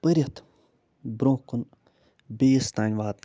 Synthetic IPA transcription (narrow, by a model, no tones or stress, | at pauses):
pəɾʲjɐt̪ | bɾõːkun | bejist̪aːnʲʋaːt̪